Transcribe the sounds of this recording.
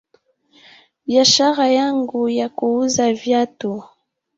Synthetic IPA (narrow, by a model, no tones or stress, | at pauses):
biaʃaʁajaŋɡujakuuzavjatu